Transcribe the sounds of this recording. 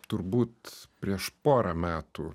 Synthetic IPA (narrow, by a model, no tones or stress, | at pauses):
t̪ʊɾbuːt̪pʲɾʲiɛʃpoːɾɐmʲæːt̪u